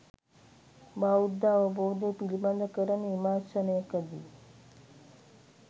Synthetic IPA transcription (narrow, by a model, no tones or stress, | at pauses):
baud̪ːaʋəbowd̪epilband̪əkəɾənemasənəjkəd̪ḭ